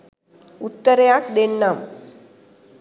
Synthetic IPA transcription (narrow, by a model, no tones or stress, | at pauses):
ut̪ːəɾjakd̪eɳːam